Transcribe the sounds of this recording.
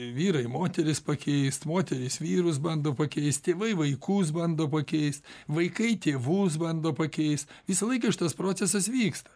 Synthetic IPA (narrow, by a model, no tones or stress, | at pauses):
ʋʲiːɾɐɪmoːt̪ʲɛɾʲɪspɐkʲɛɪst̪moːt̪ʲɛɾʲɪsʋʲiːɾʊs̬bɐnd̪oːpɐkʲɛɪst̪t̪ʲeːʋɐɪʋɐɪkuːs̬bɐnd̪oːpɐkʲɛɪst̪ʋɐɪkɐɪt̪ʲeːʋuːs̬bɐnd̪oːpɐkʲɛɪst̪ʋʲɪsɐlˠɐɪkɐʃʲɪt̪ɐspɾoːt͡sʲɛsɐsʋʲiːkst̪ɐ̥